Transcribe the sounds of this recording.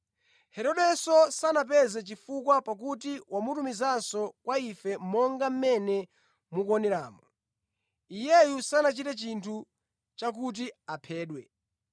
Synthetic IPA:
hɛɾɔɗɛsɔsanap̬ɛzɛt͡ʃifukwapak̬utiwamutumizansɔkwaifɛmmɔŋɡam̩mɛnɛ | mukɔnɛɾa̰ːmɔ | ijɛjusanat͡ʃitɛt͡ʃintʰu | t͡ʃak̬ut̬iapʰɛːɗwɛ

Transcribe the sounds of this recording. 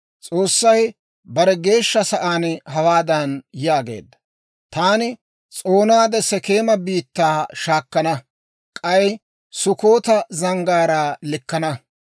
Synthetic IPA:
t͡sʼo̞ːsːɐj | bɐɾɛɡe̞ːʃːɐsɐʔaːnɦɐwaːd̪ɐnjaːɡe̞̰ːd̪ːɐ̥ | t̪aːnɪ | t͡sʼoːnaːd̪ɛsɛke̞ːmɐbiːt̪ːaːʃaːkːɐnɐ | kʼɐj | sʊkoːt̪ɐzɐŋɡaːɾaːlɪkːɐnɐ

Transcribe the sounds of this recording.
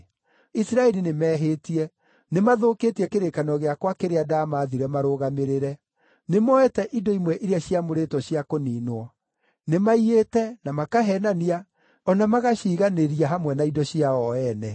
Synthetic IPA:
isɾaɛɾinemɛːɦetiɛ | nemaðoketiɛkeɾekanɔɣeakwakeɾeadamaðiɾɛmaɾoːɣameɾeɾɛ | nemɔɛtɛʔidɔimwɛʔiɾeaɕiamoɾetɔɕjakoniːnwɔ | nemaietɛnamakaɦɛnania | ɔnamaɣaɕiɣaneɾiaɦamwɛnaidɔɕiaɔɛnɛ

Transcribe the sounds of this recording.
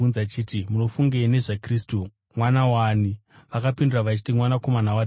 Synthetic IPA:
unzat͡ʃiːtimuno̞fuŋɡene̞ʐakristu | mwanawaːni | ʋakapindiraʋat͡ʃi̥timwanako̞manawa

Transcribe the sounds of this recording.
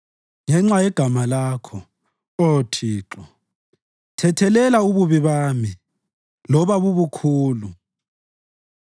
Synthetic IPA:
ŋɛŋ͡ǁajɛɡ̥ʱamalaːkʰɔ | otʰiːǁɔ | tʰɛtʰɛlɛlauβuβiβaːmi | lɔβaβuβukʰuːlu

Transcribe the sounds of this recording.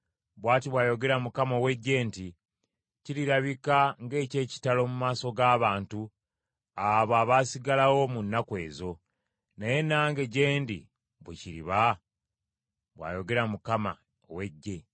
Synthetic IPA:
βwaːtiβwaːjo̞ɡe̞ɾamukamo̞ːwe̞ɟːe̞nti | ciɾiɾaβikaŋɡe̞ːce̞ːci̥talo̞ːmumaːso̞ɡaːβaːntu | aβoaβasiɡalawo̞munːakwe̞̰ːzo̞ | naje̞naːŋɡe̞ɟe̞ːndḭ | βwḛciɾḭβa | βwa̰ːjo̞ɡe̞ɾamukama̰ | o̰we̞ɟːe̞

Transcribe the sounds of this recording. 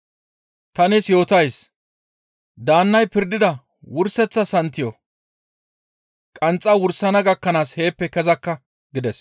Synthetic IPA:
t̪ɐnɪsjo̞ːt̪ɐjs | d̪aːnːɐjpɪɾd̪ɪd̪ɐ | wʊɾsɛt͡sːɐsɐnt̪ːɪjo | kʼɐnt͡sʼːɐwʊɾsɐnɐɡɐkːɐnaːshe̞ːpːɛkɛzɐkːɐ | ɡɪd̪ɛs

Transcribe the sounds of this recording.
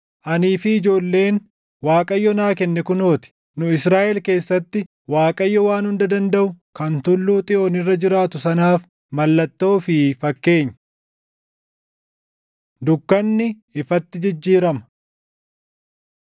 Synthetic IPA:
ʔɐniːfɪːd͡ʒo̞ːlːe̞ːn | waːkʼɐjːɔnaːkɛnːɛkʊno̞ːt̪ɪ̥ | nʊɪsɾaːʔɛlke̞ːsːɐt̪ːɪ | waːkʼɐjːɔwaːnhʊnd̪ɐd̪ɐnd̪ɐʔʊ | kɐnt̪ʊlːuːt̪ʼɪʔoːnɪrːɐd͡ʒɪɾaːt̪ʊsɐnaːf | mɐlːɐt̪ːo̞ːfɪfɐkːe̞ːɲː | d̪ʊkːɐnːɪ | ɪfɐt̪ːɪd͡ʒɪd͡ʒːiːɾɐmɐ̥

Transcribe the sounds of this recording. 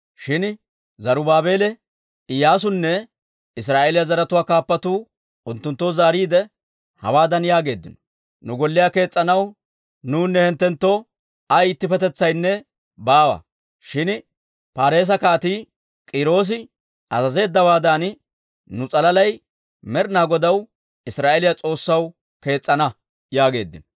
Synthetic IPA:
ʃɪn | zɐɾʊbaːbe̞ːlɛ | ɪjaːs̬ʊnːɛ | ɪs̬ɾaːʔeːlɪjazɐɾɐt̪ʊwaːkaːpːɐt̪uː | ʊnt̪ːʊnt̪ːoːzaːɾiːd̪ɛ | hɐ̰waːd̪ɐnjaːɡe̞ːd̪ːɪnɔ̥ | nʊɡɔlːɪjaːke̞ːt͡sʼːɐnɐw | nuːnːɛhɛnt̪ːɛnt̪ːoː | ɐiːt̪ːɪpɛt̪ɛt͡sːɐjnːɛ | baːwɐ̰ | ʃɪn | paːɾe̞ːs̬ɐkaːt̪iː | kʼɪɾo̞ːs̬ɪ | ɐzɐze̞ːd̪ːɐwaːd̪an | nʊt͡sʼɐlɐlɐj | mɛɾnaːɡɔd̪ɐw | ɪsɾaːʔelɪjat͡sʼo̞ːsːɐw | ke̞ːt͡sʼːɐnɐ | jaːɡe̞̰ːd̪ːɪnɔ

